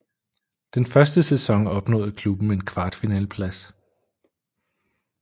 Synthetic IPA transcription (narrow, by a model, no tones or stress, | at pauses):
d̥enfɶɐsd̥əsesɒ̽ŋɒ̽b̥nɔ̰̽ːð̩ˠkʰlub̥n̩e̝nkʰʋɑ̈ːd̥finɛ̰ːləpʰlæs